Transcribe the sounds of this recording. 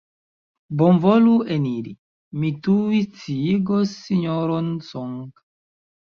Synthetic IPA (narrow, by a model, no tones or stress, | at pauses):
bɔɱvɔluʔeniɾḭ | mituwitiɡɔsiɲɔɾɔnsɔŋka